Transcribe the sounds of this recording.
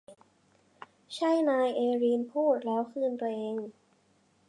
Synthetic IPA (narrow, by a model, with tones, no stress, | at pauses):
t͡ɕʰa˥˩jnaː˧jʔeː˧ɾiː˧npʰuː˥˩t̪̚lɛː˦˥wkʰɯː˧npɾa˧ʔeː˧ŋ